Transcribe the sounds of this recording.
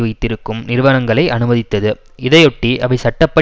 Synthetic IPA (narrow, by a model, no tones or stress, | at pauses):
ʋɐɪt̪ːɪɾɯkːɯmnɪɾʋɐnɐŋɡɐɭɐɪʔɐnɯmɐðɪt̪ːɐðɯ | ɪðɐjɔʈːiʔɐʋɐɪsɐʈːɐpːɐ